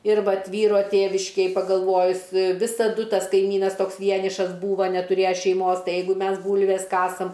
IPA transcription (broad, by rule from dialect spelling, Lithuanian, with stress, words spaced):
ɪr ˈʋɐt ˈʋʲiːroː ˈtʲeːʋʲɪʃʲkʲeːj pɐɡɐlˠˈʋoːjʊs ʋʲɪsɐˈdʊ ˈtɐs kɐɪˈmʲiːnɐs ˈtoːks ˈʋʲiɛnʲɪʃɐs ˈbuːʋɐ nʲɛtʊˈrʲeːjɛ ʃʲɛɪˈmoːs ˈtɐɪ ˈjɛɪɡʊ ˈmʲɛs ˈbuːlʲʋʲɛs ˈkɑːsɐm